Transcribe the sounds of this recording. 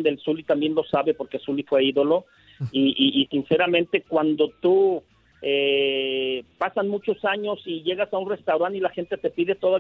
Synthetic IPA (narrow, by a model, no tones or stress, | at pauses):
d̪elsulit̪ambje̞nlo̞saβe̞po̞ɾke̞sulifwe̞iðo̞lo̞ | iʔːʔːsinse̞ɾamẽnt̪e̞kwand̪o̞t̪u | e | pasanmut͡ʃo̞saɲo̞siʝe̞ɣasaunre̞st̪awɾanilaxe̞nt̪e̞t̪e̞piðe̞t̪oða